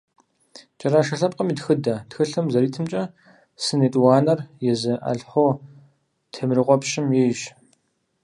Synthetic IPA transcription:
t͡ʃʼɐɾaːʃɐɬɐp̚ʼqəmiːtxɨdɐtxɨɬɨmzɐɾiːtʰɨmt͡ʃʼɐ | sɨneːtʼwɑːnɐrjɛzɨʔɐ̰ɮħʷoː | tʰemrɨqʷɔpʃɪmjɛjʒ

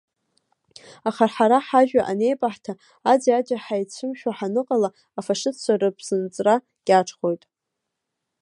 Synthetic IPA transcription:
aχarħaɾaħaʒᶣaʔane̞jpʼaħtʰa | ad͡ziad͡ʒaħajt͡ɕʷʰɨmʃᶣaħanɨqʼala | afaʂɨt͡sʷʰarɨpʼʰz̥ɨnt͡sʼra | ɡ̥ʲaʈ͡ʂʰχo̞jtʼ

